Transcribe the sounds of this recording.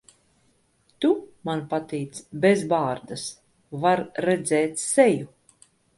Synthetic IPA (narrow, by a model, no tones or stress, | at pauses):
t̪umanpat̪iːt̪sbʲezbaːɾd̪as | vaɾːɛd̪zɛːt̪ʲsɛju